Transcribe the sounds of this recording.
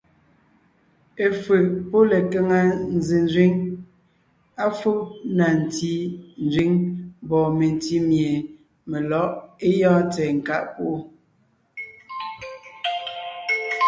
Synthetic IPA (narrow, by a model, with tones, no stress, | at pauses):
e˨fɨ˨ʔpo˦le˨kɛ˦ŋa˦n̩˨zi˨n˦˨zɥi˦ŋ | a˦fo˦na˨n̩˨ti˦n˨zi˦ŋbɔ˨me˨n˨ti˦mje˨ | me˨lɔ˨˦ʔe˦jɔ̃ː˦tɛː˨ŋ̩˨ka˦ʔpo˦ʔo˦